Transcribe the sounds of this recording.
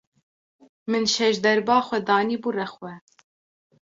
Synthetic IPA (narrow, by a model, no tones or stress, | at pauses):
mɨnʃɛʃd̪ɛɾbɑːxʷɛd̪ɑːniːbuːrɛxwɛ